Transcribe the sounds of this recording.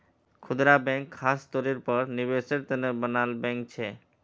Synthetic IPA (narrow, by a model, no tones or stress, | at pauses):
kʰud̪ɾabɛŋkʰːast̪oɾiɾpɔɾniβeʃeɾt̪enebənalbɛŋk̚t͡ɕʰe